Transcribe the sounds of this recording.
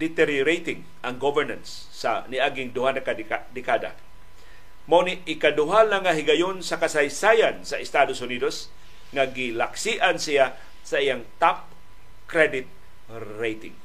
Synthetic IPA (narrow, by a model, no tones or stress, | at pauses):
d̪ɪt̪ɛɾjɾejt̪ɪŋ | ʔaŋɡovɛɹnansːaniʔaɡɪŋd̪ʊɦanakaad̪ɪkad̪a̰ | maniɪkad̪ʊɦalaŋaɦɪɡajonsakasajsajansaɪst̪ad̪osʊnid̪os | ŋaɡɪlaksiʔansija | saijaŋt̪ap̚ | kɾɛd̪ɪt̪̚ | ɾejt̪ɪ̰ŋ